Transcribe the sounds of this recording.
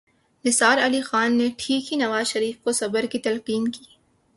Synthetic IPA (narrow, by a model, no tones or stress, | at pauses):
nɪsaːɾɐlixaːnːeʈʰiːkɦinɐʋaːzʃɐɾiːfkosɐbəɾkit̪ɐlqiːmki̥ː